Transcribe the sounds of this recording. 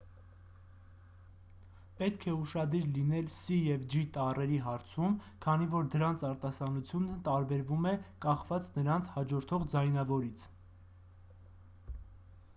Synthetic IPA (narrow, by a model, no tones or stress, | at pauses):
pɛt̪kʰɛuʃɑd̪iɾlinɛlsijɛvd͡ʒit̪ɑrɛɾiɦɑɾt͡sʰum | kʰɑnivɔɾd̪əɾɑnt͡sʰɑɾt̪ɑsɑnut͡sʰjunət̪ɑɾbɛɾvumɛkɑχvɑt͡snəɾɑnt͡sʰhɑd͡ʒɔɾt̪ʰɔʁd͡zɑjnɑvɔɾit͡sʰ